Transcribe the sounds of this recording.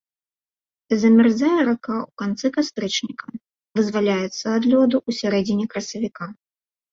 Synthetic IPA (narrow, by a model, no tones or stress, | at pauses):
zɐmʲɛrzʲajɛɾakaukant̪sɨkast̪ɾɛt͡ʂnʲikɐ | vɨzvalʲajɛt̪sːɐːd̪lʲɔd̪uʔusʲaɾɛd͡zʲinʲɛkɾɐsɐvʲika